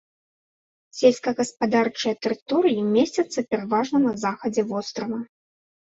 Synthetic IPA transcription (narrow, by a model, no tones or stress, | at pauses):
sʲelʲskɐɣɐspad̪art͡ʂɨjɐt̪ɛɾɨt̪ɔɾɨjimʲesʲt͡sʲɐt̪sːɐpʲɛɾavaʐnɐnɐzaxɐd͡zʲɛvɔst̪ɾɐvɐ